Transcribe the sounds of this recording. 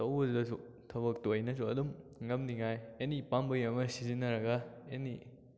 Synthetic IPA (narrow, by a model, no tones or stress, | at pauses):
tɐwɐddɐsu | tʰɐβɐk̚tojnɐsuɐdumŋɐmniŋajenipambɐjɐmɐsizinːɐɾɐɡɐeni